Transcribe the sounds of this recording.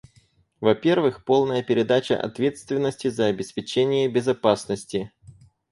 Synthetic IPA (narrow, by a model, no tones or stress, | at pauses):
vɐpʲe̞rvɨxpo̞lˠnəjəpʲɪɾʲɪd̪at͡ɕə̰ʔɐ̰t̪vʲe̞t̪st̪vʲɪnːəsʲtʲɪzəɐbʲɪspʲɪt͡ɕenʲɪjəbʲɪzɐpasnəsʲtʲɪ